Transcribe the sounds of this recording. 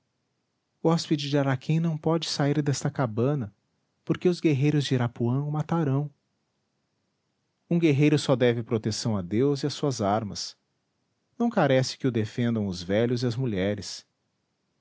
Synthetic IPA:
ʊɔspid͡ʒɪd͡ʒɪaɾakʰẽj̃nɐ̃w̃pɔd͡ʒɪsaiɾd̪ɛst̪ɐkabɐ̃nɐ | poɾkeʊzɡeɦejɾʊzd͡ʒɪɾapuɐ̃w̃ʊmat̪aɾɐ̃w̃ | ũɡeɦejɾʊsɔd̪ɛvɪpɾot̪esɐ̃w̃ad̪ewzɪɐsuɐzaɾmɐs | nɐ̃w̃kaɾɛsɪ̥kɪʊd̪efẽnd̪ɐ̃w̃ʊzvɛʎʊzɪɐzmuʎɛɾɪs

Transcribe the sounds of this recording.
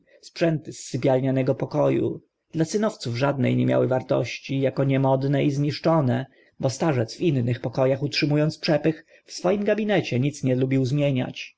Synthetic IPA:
spʂɛnt̪ɘsːɘpʲjalɲanɛɡɔpɔkɔjṵ | d̪̥lasɘnɔft̪suvʐad̪nɛ̰jɲɛmʲja̰wɘvaɾt̪ɔ̰ɕt͡ɕijakɔɲɛmɔd̪nɛizɲiʂt͡ʂɔnɛ | bɔst̪aʐɛt̪svinːɘxpɔkɔjaxutʂɘmujɔnt̪spʂɛpɘx | fsfɔjimɡabʲinɛt͡ɕɛɲit̪sɲɛlubʲiwzmʲjeɲa̰t͡ɕ

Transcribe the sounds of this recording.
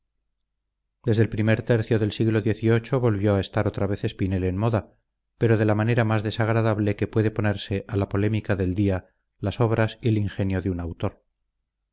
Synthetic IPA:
d̪e̞zðe̞lpɾime̞ɾt̪e̞ɾθjo̞ðe̞lsiɣlo̞ðje̞θio̞t͡ʃo̞βo̞lβjo̞ae̞st̪aɾo̞t̪ɾaβ̞e̞θe̞spine̞le̞nmo̞ða | pe̞ɾo̞ð̞e̞lamane̞ɾamazðe̞saɣ̞ɾaðaβle̞ke̞pwe̞ðe̞po̞ne̞ɾse̞ʔalapo̞lemikaðe̞ld̪ia | laso̞βɾasieliŋxe̞njo̞ðeunawt̪o̞ɾ

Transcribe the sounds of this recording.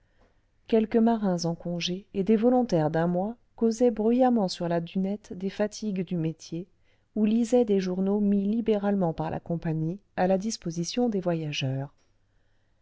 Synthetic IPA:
kʲɛlkəmaʁɛ̃zɑ̃kɔ̃ʒeed̪evɔlɔ̃t̪ɛʁd̪ɛ̃mwa | kozɛbʁyjamɑ̃syʁlad̪ynɛt̪d̪efat̪ʰiɡd̪ymet̪je | ulizɛd̪eʒuʁnomilibeʁalmɑ̃paʁlʔa̰kɔ̃paɲialad̪ispozisjɔ̃d̪evwajaʒœːʁ

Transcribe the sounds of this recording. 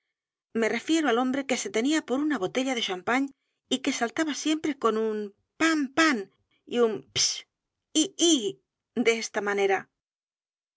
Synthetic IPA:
me̞re̞fje̞ɾoalo̞mbɾe̞ke̞se̞t̪e̞niapo̞ɾunaβo̞t̪e̞ʎaðe̞ʃampaɲ | ike̞salt̪aβasje̞mpɾe̞ko̞num | pampan | ḭumps | ii | d̪eest̪amane̞ɾa

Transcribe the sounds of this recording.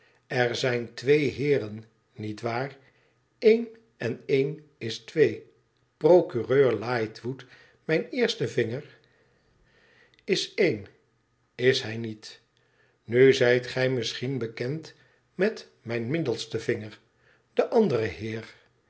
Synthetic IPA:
ɛɹzɛjntʋejɦɪːrənː | itʋaːr | ejn | ɛnejn | ɪstʋej | prowkyrøːɹlaːjtʋut | mɛjnɪːɹstəvɪŋəɹ | ɪsejn | ɪsɦɛjnit | nyzɛjtχɛjmɪsχinbəkɛnt | mɛt | mɛjnmɪdəlˠstəvɪŋəɹ | dəʔɑndərəɦɪːɹ

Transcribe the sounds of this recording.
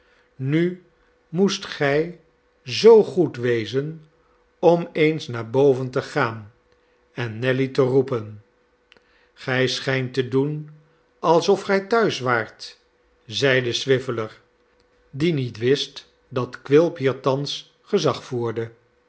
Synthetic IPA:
ny | mustχɛj | zowχutʋejzən | ɔmejnsnaːɹbowvəntəχaːn | ɛnːɛlitərupən | χɛjsχɛjntədun | ɑlˠsɔfχɛjtœɥsʋaːɹt | zɛjdəsʋɪvələɹ | dinitʋɪst | dɑtkʋɪlˠpɦiːɹtɑns | χəzɑχfuːɹdə

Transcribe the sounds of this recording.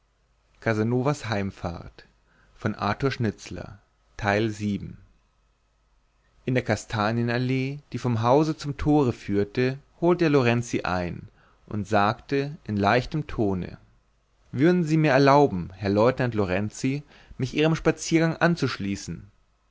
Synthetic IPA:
kʰazanoːvashaɪmfa̰ɐt | fɔnʔa̰ɐtuɐʃnɪt͡slɐ̰ | tʰaɪlziːbm̩ | ʔɪndeːɐkʰastʰaːnjənaleːd̥iːfɔmɦaʊzət͡sʊmtʰoːʁəfyːɐtəhoːltdeːɐloʁɛnt͡siʔa̰ɪn | ʔʊ̰ntz̥aːktəʔɪnlaɪçtəmtʰoːnə̰ | vʏɐdn̩ziːmiːɐɛɐlaʊbm̩hɛɐlɔʏtnantloʁɛnt͡si | mɪçʔiːʁəmʃpat͡siːɐɡaŋʔant͡suʃliːsn̩

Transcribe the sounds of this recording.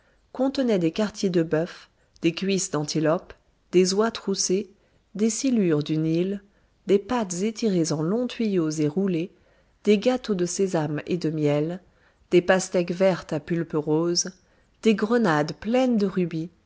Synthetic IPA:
kɔ̃t̪ənɛd̪ekaʁt̪jed̪əbœf | d̪̥ekɥisd̪ɑ̃t̪ilɔp | d̪̥ezwat̪χuse | d̪esilyʁd̪ynil | d̪epat̪zet̪iʁezɑ̃lɔ̃t̪ɥijozeʁule | d̪̥eɡat̪od̪əsezamḛd̪əmjɛl | d̪̥epast̪ɛkvɛʁt̪apylpəʁoz | d̪̥eɡʁənad̪plɛnd̪əʁybi

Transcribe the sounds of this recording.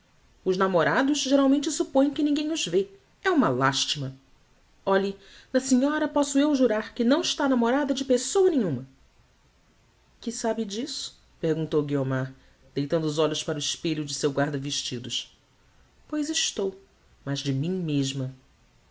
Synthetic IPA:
ʊʒnamoɾad̪ʊʃʒeɾawmẽnt͡ʃɪsupõj̃kɪnĩŋɡẽj̃ʊzve | ɛũmɐlaʃt͡ʃimɐ | ɔʎi | nɐsiɲɔɾɐpɔsʊewʒuɾaɾkɪnɐ̃w̃ɪʃt̪anamoɾad̪ɐd͡ʒɪpesowɐnẽɲũmɐ | kɪsabɪd͡ʒisʊ̥ | peɾɡũnt̪owɡiomaɾ | d̪̥ejt̪ɐ̃nd̪ʊːzɔʎʊspaɾʊɪʃpeʎʊd͡ʒɪsewɡwaɾd̪ɐvɪʃt͡ʃid̪ʊʃ | pojzɪʃt̪ow | mɐzd͡ʒɪmĩmeʒmɐ

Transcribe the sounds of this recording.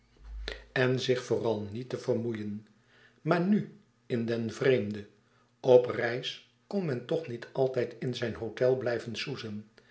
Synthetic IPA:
ɛnzɪχfoːrɑlˠnitəv̥ərmujən | maːɹny | ɪndɛnvrejmdə | ɔprɛjs | kɔnmɛntɔχnitʰɑlˠtɛjtɪnzɛjnɦowtɛlˠblɛjvənsuzən

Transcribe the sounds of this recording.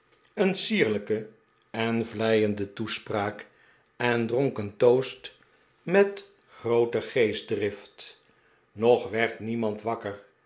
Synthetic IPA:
ənsiːɹləkə | ɛnvlɛjəndətuspraːk | ɛndrɔŋkəntowst | mɛt | χrowtəχejzdrɪft | nɔχʋɛɹtnimɑntʋɑkəɹ

